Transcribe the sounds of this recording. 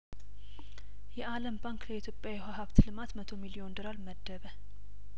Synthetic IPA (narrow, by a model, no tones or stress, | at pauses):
jɛʔaləmbaŋkləit̪ʰjopʼjawjɦaɦaβt̪ʰlɨmat̪mət̪ʰo̞miliond̪ɨɾalməd̪ːəβə